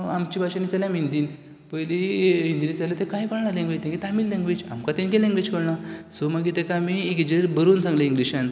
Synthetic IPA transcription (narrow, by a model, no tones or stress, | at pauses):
amt͡ɕibʱaɕanit͡saljamind̪iːn | pəjliɦind̪init͡salet̪ekajkəɽɳalẽŋɡʋit̪ẽkit̪amiːllẽŋɡʋid͡ʑa̰mkat̪inkelẽŋɡʋit͡ɕkəɽɳasomaɡit̪ekamiekid͡ʑəɾbəɾuːnsãŋɡleiŋɡliɕãn